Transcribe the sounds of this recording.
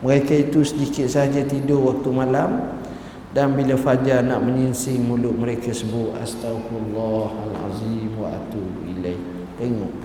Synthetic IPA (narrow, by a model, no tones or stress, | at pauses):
məɾekait̪usədikɪt̪̚saɦad͡ʒat̪idʊwak̚t̪umalam | danbilafad͡ʒanaʔməɲinsɪŋmulʊʔ̪̚məɾekasəbʊʔa̰st̪aflːɑhalʕa̰zimwa̰ʔa̰t̪u | ilajh | t̪eŋɔʔ